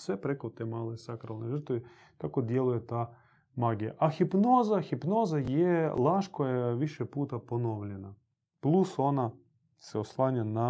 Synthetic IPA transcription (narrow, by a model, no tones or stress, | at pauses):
sʋepɾekot̪emaːlesakɾalˠneʒər̩t̪oʋe | t̪ako̞d̪jelujet̪aː | maːɡija̰ʔaxipno̞ːzaxipno̞ːzajelˠaːʃkojajeʋiʃepuːt̪aponoːʋʎena | plˠuso̞na | seoslˠaːɲana